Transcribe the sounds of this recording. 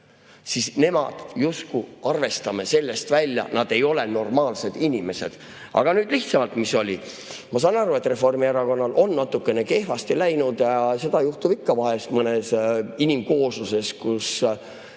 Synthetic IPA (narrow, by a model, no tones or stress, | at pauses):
sisne̞mɑd̪̥juskuɑrve̞st̪ɑme̞se̞lːe̞st̪vælʲjɑ̰nɑd̪̥e̞jo̞le̞no̞rmɑːlse̞d̪̥inʲime̞se̞̰d̪̥ | ʔɑ̰ɡ̥ɑnyːd̪̥liht̪sɑmɑlt̪miso̞lʲi | mɑs̬ɑːnɑɾue̞t̪ːˑre̞fo̞rmieɾɑko̞nːɑlʔo̞nːɑt̪ːˑukːˑene̞ke̞hfɑst̪ilæjnud̪̥jɑse̞d̪̥ɑjuht̪ub̥ikːɑvɑɦest̪mɤnesinimko̞ːsuse̞skus